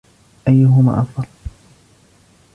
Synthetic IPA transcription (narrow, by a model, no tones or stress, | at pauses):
ʔajːʊɦʊma̰ːʔɑfd̪ˤɑl